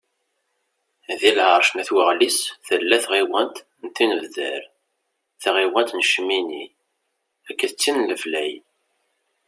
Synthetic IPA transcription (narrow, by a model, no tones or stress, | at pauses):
ðilʕəɾˤʃnæθwəʁlisθəlːæθʁiwənt̪ | nt̪ːinəvðə̰ɾ | θʁiwænt̪nəʃmini | ækːəθt͡sːinləflæj